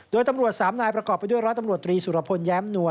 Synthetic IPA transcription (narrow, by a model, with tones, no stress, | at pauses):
doː˧jt̪a˧mɾu˨˩ət̪̚saː˩˦mnaː˧jpɾa˧kɔː˨˩pːa˧jdu˥əjɾɔ˦˥t̪a˧mɾu˨˩ət̪ːɾiː˧suː˨˩ɾa˧˩pʰo˧njɛː˦˥mnu˧ə